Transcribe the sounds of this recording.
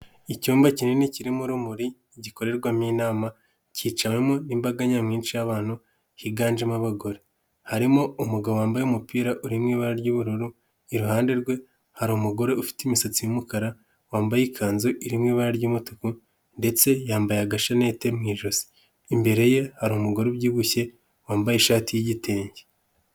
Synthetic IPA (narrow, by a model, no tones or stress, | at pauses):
icuːmbacineneciɾimuɾumuɾiːɟiko̞ɾe̞ɾɡwamiːnaːma | ciːt͡ʃawemonimbaɡaɲamŋiːnʃijaβaːn̥hu | hiɡaːnd͡ʒemaβaɡo̞ɾe | haɾimo̞umuɡaβoaːmbajemupiːɾaʔuɾimŋiːβaɾaɾɟuβuɾuɾu | iɾuhaːnde̞ɾɡwe̞ | haɾumuɡo̞ɾe̞ʔufi̥timisat͡sijumukaɾa | waːmbajikʰaːnzoʔiɾimŋiːβaɾaɾɟumutoku | nde̞t͡se̞jaːmbajaɡaʃane̞ːte̞mŋiːʒozi̥ː | mbe̞ɾe̞je̞haɾumuɡo̞ɾebɟiːɡuçe̞ | waːmbajeʃaːtijiɟitʰe̞ːɲɟe